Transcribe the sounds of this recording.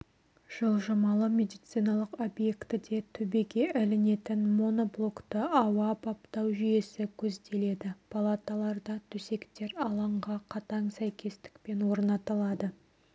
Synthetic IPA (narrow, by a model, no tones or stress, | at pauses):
ʒ̥əlˠʒɑmɑlˠəmʲe̞d̪ijt̪sijnɑlˠəqo̞bje̞kt̪ɪd̪e̞t̪ʰɵbe̞ɡʲe̞ʔælɪne̞t̪ɪnmo̞no̞blˠo̞kt̪əɑwɑpʰɑpt̪ɑwʒije̞sɪkʲʰɵzd̪e̞le̞d̪ɪpʰalˠat̪ɑlˠɑɾd̪ɑt̪ʰɵse̞kt̪e̞ɾɑlˠɑɴʁɑqʰɑt̪ɑɴsæjkʲʰe̞st̪ɪ̥k̚pe̞nwo̞ɾnɑt̪əlˠɑd̪ə